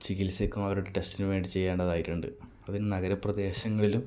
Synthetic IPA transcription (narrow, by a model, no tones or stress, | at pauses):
t͡ɕiɣilsekːumɐʋɐɾuɽeʈe̞stinɨʋe̞ːɳɖit͡ɕe̞jːaːɳɖɐðaːjiʈːuɳɖɨ̰ | ɐðinɨnɐɣɐɾɐprɐd̪e̞ːɕɐŋːɐɭilum